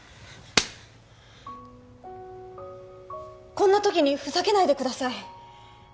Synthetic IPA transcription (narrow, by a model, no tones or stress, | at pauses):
kõ̞nːat̪o̞kʲiɲ̟iɸɯ̟sake̞naid̪e̞kɯ̟d̪asai